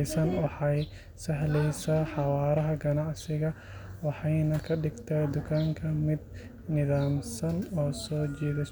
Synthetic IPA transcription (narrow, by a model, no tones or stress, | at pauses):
sɐnwɑħɑj | sɐɦlɛjsaːħɑwaːɾɐɦɐɡɐnɑʕsɪɣɐ | wɑħɑjnɐkʰɐɖɪɡt̪ʰɛjd̪ʊkʰaːŋkʰɐmɪd̪̚ | nɪðaːmsɐnɔːsɔːt͡ʃɛːðɐ